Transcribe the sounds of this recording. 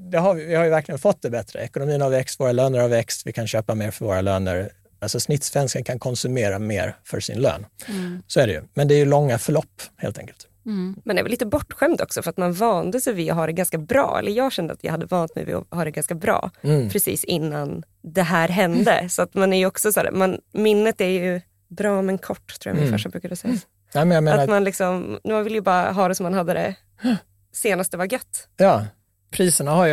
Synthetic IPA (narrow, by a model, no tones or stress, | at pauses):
d̪ɛɦaɾvɪvɪhaɾjəvæɾklɪɡənfɔt̪̚ːd̪ɛbɛt̪ɾə̰ɛkʊnʊmiːnavɛkst̪voːɾaløːnəɾhavvɛkst̪vɪkʰanɕøːpameːɾfœɾvoːɾaløːnə̰ɾ | alsɔsnɪt̪svɛnskənkʰankʰɔnsɵmeːɾamḛːɾfœ̰ʂɪ̰nlø̰ːnsɔæɖɛjɵ̰mɛnd̪ɛæːjɵlɔŋːafœɭɔpːhḛːlt̪ʰɛ̰ŋkəlt̪ | mɛnɛɾvɛliːt̪əbɔʈːɧɛmd̪ɔ̰ksɔfœɾat̪manvɑːnd̪əsɛvɪɔɦaːɖɛɡanskabɾɑ̰ːɛ̰lːəɾjɑːɡɕɛnd̪əa̰t̪jɑ̰ːhad̪ːəvɑːnat̪mɛ̰jvɪ̰hɑːɖɛɡanskabɾɑ̰ːpʰɾɛsḭːsɪnːan | d̪ɛɦæːɾɦɛnd̪ə̰sɔat̪manæɾjɵɔksɔsæ̰ːɾmanmɪnːət̪æɾjɵ | bɾɑːmɛnkʰɔʈːt̪ʰɾuːj̰a̰mɪnfœ̰ʂʈabɾʉ̟kad̪əsɛjːa | nɛmɛnjameːanamanlɪksɔmmanvɪlːjəbɑːɾa̰ɦɑːd̪ɛsɔmːanhad̪ːəd̪ɛ̰ | seːnast̪əvaɡœt̪ːjɑː | pʰɾiːsəɳahaj